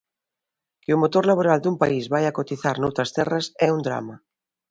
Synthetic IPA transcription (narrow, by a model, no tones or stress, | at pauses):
keumot̪oɾlaβ̞oɾald̪umpaizβajakot̪iθaɾnowt̪ɾast̪ɛrasɛund̪ɾa̰ma